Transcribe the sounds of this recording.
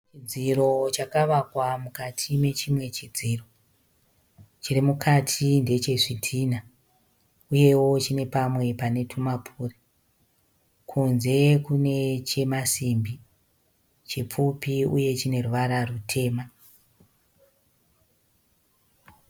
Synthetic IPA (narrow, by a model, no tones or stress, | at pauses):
t͡ʃid͡ziro̞t͡ʃakaʋakwamukatʰime̞t͡ʃimwe̞t͡ʃid͡ziːro̞ | t͡ʃirimukʰatʰinde̞t͡ʃe̞ʐitʰiːna | uje̞wo̞t͡ʃine̞pamwe̞pane̞tʰumapʰuːre | kʰunze̞kune̞t͡ʃe̞masimbi | t͡ʃip͡fupiuje̞t͡ʃine̞ruʋaɾarutʰe̞ːma